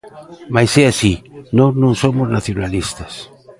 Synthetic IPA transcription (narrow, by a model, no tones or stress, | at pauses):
majseasinonõŋsomoznaθjonalist̪as